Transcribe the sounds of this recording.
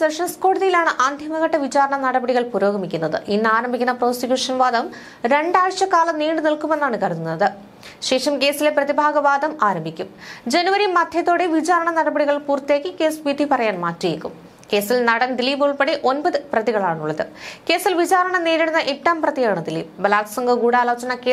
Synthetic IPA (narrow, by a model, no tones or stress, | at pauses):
seʂɐnsko̞ːɽuðijilaːɳɨʔaːnd̪ʱjɐmɐɣɐʈːɐʋit͡ɕaːɾɐɳɐnɐɽɐbɐɽiɣɐɭpuɾo̞ːɣɐmikʲːunːɐðɨ̰ʔinːɨaːɾɐmbʱikʲːunːɐpro̞ːsikʲjuːʂɐnʋaːd̪ɐm | ɾe̞ɳɖaːɻʂɐkaːlɐniːɖɨnilkumenːaːɳɨkɐɾununːɐðɨ | ɕe̞ːʂɐmke̞ːsileprɐðibʱaːɡɐʋaːd̪ɐmaːɾɐmbʱikʲːumd͡ʑenuʋɐɾimɐd̪ʱjɐt̪ːo̞ːɽeʋit͡ɕaːɾɐɳɐnɐɽɐbɐɽiɣɐɭpuːrt̪ijeːkːɨkeːsʋid̪ʱipɐrɐjaːnmaːtrijekːṵm | ke̞ːsilnɐɽɐnd̪iliːbuɭpeɽiʔo̞nbɐðɨprɐðiɣɐɭaːɳuɭːɐðɨke̞ːsilʋit͡ɕaːɾɐɳɐneːɾiɽunːɐʔeʈːaːmprɐðijaːɳɨd̪ilḭːbɐlaːt̪ɐ̥sɐŋɡɐɡuːɽaːlo̞ːt͡ɕɐɳɐkeː